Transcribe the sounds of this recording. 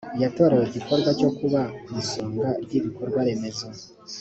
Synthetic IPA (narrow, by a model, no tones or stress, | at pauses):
jato̞ɾejeɟikoɾɡwat͡ʃo̞kuβamusoːŋɡabɟiβikoɾɡwaɾe̞me̞za